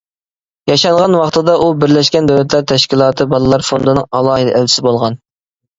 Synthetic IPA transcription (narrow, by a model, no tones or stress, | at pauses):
jɑʃɑnʁɑnwɑχt̪ʰɨd̪ɑʔubɪɾlɛʃkʲɛnd̪ɛwlɛt̪ʰlæɾt̪ʰɛʃkʲilˠɑːt̪ʰɨbɑlˠɨlˠɑɾfond̪ɨnɨŋɑlˠɑːɦɨd̪ɛʔælt͡ʃʰɪ̥sɪbolˠʁɑn